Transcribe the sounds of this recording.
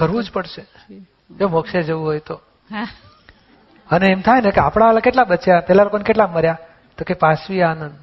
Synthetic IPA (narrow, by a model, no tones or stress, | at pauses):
kəɾʋũd͡ʒpəɽʃe | d͡ʒomokʃed͡ʒəʋũɦojt̪o | əneːmt̪ʰajnekeapɽ̃alakeʈlaɓət͡ʃjapɛɦlalokonekeʈlaməɾja | t̪okepasʋianənd̪